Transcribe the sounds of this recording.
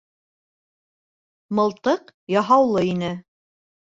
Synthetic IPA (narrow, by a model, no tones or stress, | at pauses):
mɤ̆lˠt̪ɤqjɑɦɑwlˠɤinɘ